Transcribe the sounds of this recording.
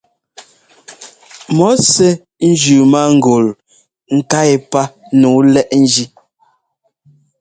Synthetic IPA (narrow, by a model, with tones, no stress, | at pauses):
mɔ˨˦sɛ˦ | n̩˦d͡ʒʉ˨ma˦ŋ̩˨ɡo˨l | ŋ̩˨ka˦e˨pa˦nu˨˦lɛ˦ʔn̩˦d͡ʒi˦